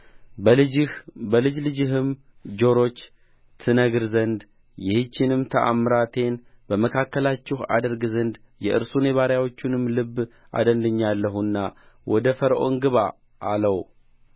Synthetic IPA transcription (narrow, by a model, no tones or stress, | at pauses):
bəlɨd͡ʒlɨd͡ʒɪɦɨm | d͡ʒo̞ɾo̞t͡ʃː | t̪ʰɨnəɡɨɾzənd̪ | jɪhɨt͡ʃːɪnɨmt̪ʰəʔa̰mːɨɾat̪ʰe̞nbəməkʰakːəlat͡ʃːɪha̰d̪əɾɡɨzənd̪ | jɛʔɨɾsune̞βaɾjawo̞t͡ʃːunɨmːlɨbː | ʔa̰d̪ənd̪ɨɲːalːəɦunːa | wɔd̪əfəɾʔo̞̰ŋɡɨβa | ʔːləw